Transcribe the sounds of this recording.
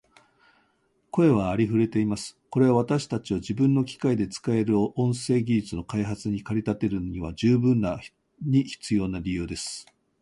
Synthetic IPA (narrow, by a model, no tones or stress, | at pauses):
ko̞e̞β̞aːɾʲiɸɯ̟ɾe̞t̪e̞imasɨ̥ko̞ɾe̞aβ̞at̪aɕi̥t̪at͡ɕiod͡ʑibɯ̟̃nːo̞kʲi̥kaid̪e̞t͡sɨ̥kae̞ɾɯ̟õ̞ɰ̃se̞ːɡʲiʑit͡sɨno̞kaiɦat͡sɨɲ̟ikaɾʲit̪at̪e̞ɾɯ̟noɲ̟iβ̞ad͡ʑɨːbɯ̟̃nːa | ɲ̟içi̥t͡sɨjo̞ːnaɾʲijɯ̟ːd̪e̞sɨ̥